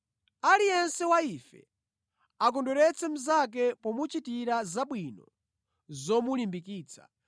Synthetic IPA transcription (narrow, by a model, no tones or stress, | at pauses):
alijɛnsɛwaifɛ̰ | ak̬ɔndɔɾɛt͡sɛm̩zak̬ɛpɔmut͡ʃitiɾazaɓwinɔ | zɔmulimbikiːt͡sʰḁ